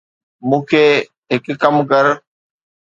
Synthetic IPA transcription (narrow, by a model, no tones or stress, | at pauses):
mũːkʰeː | ɦɪkːəmkəɾ